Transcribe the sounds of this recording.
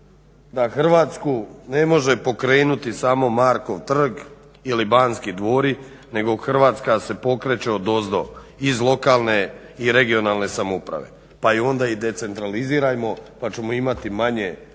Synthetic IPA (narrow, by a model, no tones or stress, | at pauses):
d̪axr̩ʋaːt̪skune̞mo̞ʒe̞po̞kɾe̞ːnut̪isaːmo̞maːɾko̞ʋt̪r̩ɡ | ilibaːnskid̪ʋo̞ːɾi | ne̞ɡo̞xr̩ʋaːt̪skase̞po̞kɾe̞t͡ʃeod̪o̞zd̪o̞̰ | izlˠo̞kaːlˠne̞iɾe̞ɡio̞naːlˠne̞samupɾa̰ʋe̞̰ | paio̞nd̪aid̪e̞t̪se̞nt̪ɾaliziːɾajmo̞pat͡ʃe̞mo̞imat̪imaɲe̞